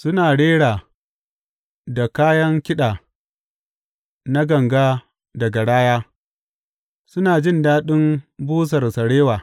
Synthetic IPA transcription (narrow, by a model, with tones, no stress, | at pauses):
sʊ˦naː˨ɽeː˦ɽaː˨ | da˨kaː˦jɐ˦ŋkʲɪ˦ɗaː˨ | na˦ɡɐ˨ŋɡaː˦ | dɐ˨ɡa˨ɽaː˦jaː˦ | sʊ˦naː˨d͡ʒɪ˦ndaː˦ɗɪ˦mbuː˦s̬ɐ˨rsɐ˨ɽeː˦waː˨